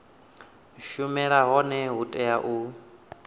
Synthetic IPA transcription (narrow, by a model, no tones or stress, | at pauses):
ʃumɛɺaɦɔnɛɦutʼɛjaʔu